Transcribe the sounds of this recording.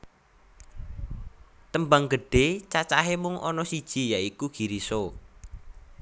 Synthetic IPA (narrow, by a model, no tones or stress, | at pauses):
t̪əmbaŋɡə̤ɖ̥et͡ʃat͡ʃaɦemʊŋʔɔ̰nɔsid̥ʒ̥i̤jaikuɡ̥iɾiso